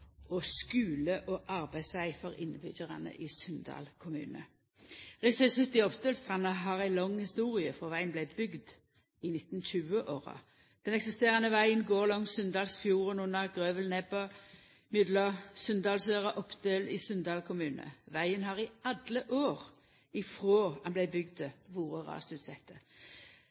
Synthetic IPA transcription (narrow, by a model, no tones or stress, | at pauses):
ɔskʉːləʔɔʔɑʁbæɪd̪sʋæɪfɔʁɪnːəbʏdəʁɑ̰nə̰ʔɪsʉnd̪ɑ̰ːlkʰʊmʉ̰ːnə | ʁɪsæsʉt̪ːɪɔpd̪øːlst̪ʁɑnɑɦɑːʁæɪlɔŋhɪst̪uːʁɪəfɔʁʋæɪənblæɪbʏɡd̪ | ɪnɪt̪n̩ɕʉːəʔoːʁɑ̰ | d̪̥ɛnɛksɪst̪eːʁɑnəʋæɪənɡoːʁlɔŋsʉnd̪ɑːlsfjuːʁənʉnəʁɡʁøːʋəlnɛbə | mjʏd̪ləsʉnd̪ɑːlsøːʁəʔɔpd̪øːlɪ̰sœnd̪ɑːlkʰʊmʉːnə̰ʋæɪənɦɑːʁɪɑd̪ləʔoːʁ | ɪfʁoːhɑnblæɪbʏɡd̪ʋuːʁəʁɑ̰ːst̪ʉːt̪sɛt̪ʰːə